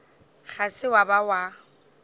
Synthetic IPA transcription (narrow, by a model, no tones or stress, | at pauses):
ɣasɪwabawa